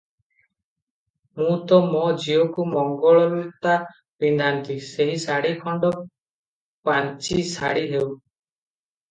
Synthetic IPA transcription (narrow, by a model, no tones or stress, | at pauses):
mũt̪ɔmɔd͡ʒiokumɔŋɡɔɭɔlut̪a | pind̪ʱant̪iseɦisaɽikʰɔɳɖɔ | pant͡ʃisaɽiɦew